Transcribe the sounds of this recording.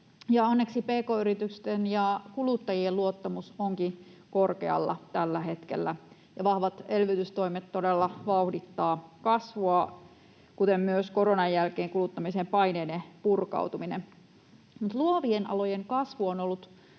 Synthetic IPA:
jɑonːe̞ksipeːkoːyɾit̪ykst̪enjɑkulut̪ːɑjielluot̪ːɑmusoŋkikorkḛɑ̰lːɑ̰t̪ælːæɦe̞t̪kḛlːæ | jɑʋɑhʋɑt̪elʋyt̪yst̪o̞imet̪todelːɑʋɑuhdit̪ːɑːkɑsʋoɑ | kut̪emmyøsko̞ronɑjjælkeːŋkulut̪ːɑmisempɑineːdepurkɑ̰wt̪uminem | mut̪luoʋienʔɑ̰lojeŋkɑsʋuonolːut̪

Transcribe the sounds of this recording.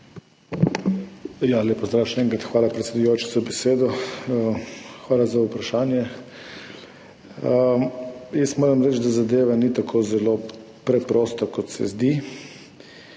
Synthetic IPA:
jalepɔzd̪ɾaːwʃɛnɛːŋkɾat̪xʋaːlapɾɛt̪sed̪ʊjoːt͡ʃɛ̥zabɛseːd̪ɔəxʋaːlazaupɾaʃaːnjɛ | ə | jɛsmoːɾamɾɛt͡ʃd̪azad̪eːʋanit̪akʰoːzɛlo | pɾɛpɾoːst̪akɔt̪sɛ̰zd̪i

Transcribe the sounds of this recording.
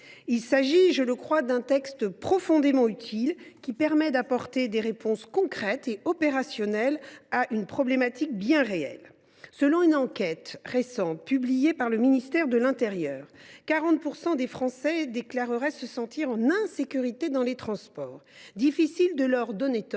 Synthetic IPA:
ilsaʒiʒələkχwad̪ɛ̃t̪ɛkst̪pχɔfɔ̃d̪emɑ̃yt̪ʰilkʲipɛʁmɛd̪apɔʁt̪ed̪eʁepɔ̃skɔ̃kχɛt̪eɔpeʁasjɔnɛlaʔynpχɔblemat̪ik̚bjɛ̃ʁeɛ̰l | səlɔ̃ynɑ̃kʲɛt̪ʁesɑ̃t̪̚pyblijepaʁləminist̪ɛʁd̪əlɛ̃t̪eʁjœːʁkaʁɑ̃t̪̚puʁsɑ̃d̪efχɑ̃sɛd̪eklaʁəʁɛsəsɑ̃t̪iʁɑ̃nɛ̃sekʲyʁit̪ed̪ɑ̃let̪χɑ̃spɔːʁd̪ifisild̪əlœʁd̪ɔnet̪

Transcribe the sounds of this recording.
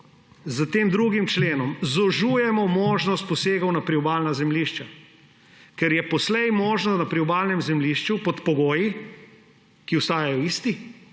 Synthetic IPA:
zət̪eːmd̪ɾuːɡimt͡ʃleːnɔmzɔʒuːjɛmɔmoːʒnɔst̪̚pɔseːɡɐwnapɾiɔbaːlnazɛmliʃt͡ʃa | kɛɾjɛpɔslɛjmoːʒnɔst̪napɾiɔbaːlnɛmzɛmliːʃt͡ʃupɔt̪pɔɡoːji | kiwst̪aːjajɔist̪i

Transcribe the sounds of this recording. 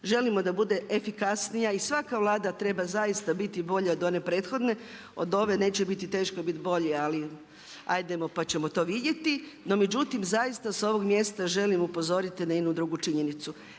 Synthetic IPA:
ʒe̞limo̞d̪abud̪e̞ʔefikasnijaisʋakaʋlˠaːd̪at̪ɾe̞bazaist̪abit̪ibo̞ʎao̞d̪o̞ne̞pɾe̞ːt̪xo̞d̪ne̞ | o̞̰d̪o̞ʋe̞ne̞ːt͡ɕebit̪it̪e̞ːʃkobit̪bo̞ʎeali | a̰jd̪e̞mo̞pat͡ɕe̞mo̞t̪o̞ːʋid̪ʲje̞t̪ino̞me̞d͡ʑut̪imzajist̪aso̞ʋo̞ɡmje̞ːst̪aʒe̞limupo̞zo̞ɾit̪inajenud̪ɾuːɡut͡ʃiɲe̞nit̪su

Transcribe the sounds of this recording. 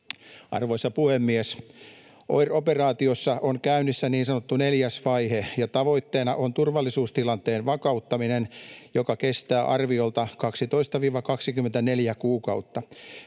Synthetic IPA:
ʔɑ̰rʋo̞isːɑpuhemːies | ʔo̰jro̞perɑːt̪iosːɑʔonkæynisːæniːnsɑnot̪ːuneljæsʋɑjɦejɑt̪ɑʋo̞it̪ːeːnɑʔont̪urʋɑlːisuːst̪ilɑnt̪eːnʋɑkɑut̪ːɑminenjokɑkest̪æːʔɑrʋio̞lt̪ɑkɑksit̪o̞ist̪ɑʋiːʋɑkɑksikymːˑent̪æneljækuːkɑut̪ːɑ

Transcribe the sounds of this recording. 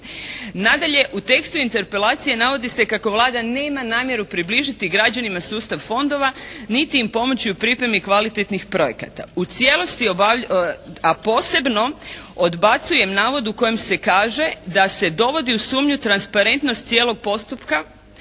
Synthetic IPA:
nad̪aʎe̞ʔut̪e̞kst̪uint̪e̞ɾpe̞lˠaːt̪sije̞naʋo̞d̪ise̞kako̞ʋlˠaːd̪ane̞ːmanaːmje̞ɾupɾibliʒit̪iɡɾad͡ʑanimasuːst̪aʋfo̞nd̪o̞ʋanit̪iːmpo̞mo̞t͡ɕiupɾipɾe̞mikʋalit̪et̪nixpɾo̞je̞ka̰t̪a̰ut̪sje̞lˠo̞st̪io | apo̞ːse̞bno̞od̪bat̪suje̞mnaːʋo̞d̪uko̞jemse̞kaːʒe̞d̪ase̞d̪o̞ʋo̞d̪iusuːmɲut̪ɾanspaɾe̞nt̪nost̪sje̞ːlo̞ɡ̚po̞st̪upka

